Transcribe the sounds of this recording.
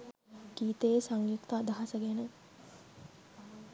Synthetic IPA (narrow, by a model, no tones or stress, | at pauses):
kiːt̪ejesaŋjikt̪aːd̪ɐɦɐsəɡɛnə